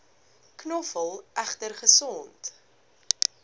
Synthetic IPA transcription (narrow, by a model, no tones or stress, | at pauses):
knɔfəlˠʔæχtərχəsɔnt